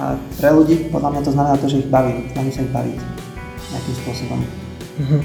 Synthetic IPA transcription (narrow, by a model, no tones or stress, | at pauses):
a̰pɾɛluɟiːpɔd̪lamɲat̪ɔznamɛnaːt̪ɔʒɛiɣbaʋiːmsnaʒiːmsaiɣba̰ʋḭc | ɲɪakimspʊɔsɔbɔ̰m̩ | ɦ̩